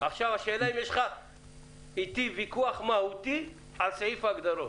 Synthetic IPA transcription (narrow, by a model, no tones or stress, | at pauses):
aχʃavaʃeːlaimjeʃχa | it̪ivikuaχmahut̪i | alsaifaɡd̪aɾo